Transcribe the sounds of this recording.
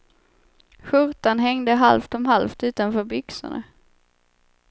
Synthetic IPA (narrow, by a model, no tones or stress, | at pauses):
ɧɵɾt̪anɦɛŋd̪əɦa̰lft̪ɔmɦalft̪ʉ̟ːt̪anfœːɾbʏksʊ̰ɳa̰